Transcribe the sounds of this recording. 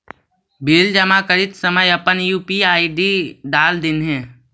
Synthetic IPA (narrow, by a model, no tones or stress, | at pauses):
biːld͡ʒəmakəɾɪt̪səməjəpənjuːpiaːiɖiɖaːld̪ɪnɦɛ̃ː